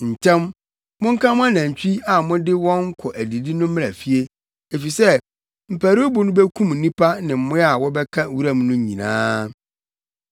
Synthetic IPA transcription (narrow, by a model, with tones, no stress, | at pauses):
n̩˨tʰɛ̃˦m | mʊ̃˦ŋ̩˦kʰã˦mʊ̃˦a˦nã˨ɲ˨t͡ɕᶣi˦a˨mʊ̃˦dɪ˦wɔ̃˦ŋ̩˦kʰɔ˨ʔæ˨di˨di˦nʊ̃˦˨a˨fi˦e˦ | e˨fi˨sɛ˦ | m̩˨pʰæ˨ɾbʊ˨nʊ̃˦bɛ˦kʰũ˦m̩˨nĩ˦pʰa˦nɪ̃˨m̩˨mʊ̃˦a˦˨wɔ˦bɛ˦kʰã˦wu˦ɾa˦m˦nʊ̃˦ɲĩ˨nã̰ː˦